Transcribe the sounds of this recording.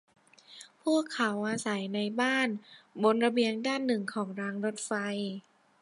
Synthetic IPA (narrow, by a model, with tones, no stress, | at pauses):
pʰuː˥˩əkʰːa˩˦wʔaː˧sa˩˦jna˧jbaː˥˩nbo˧nɾa˧bi˧əŋdaː˥˩nːɯ˨˩ŋkʰɔː˩˦ŋɾaː˧ŋɾo˦˥t̪̚fa˧j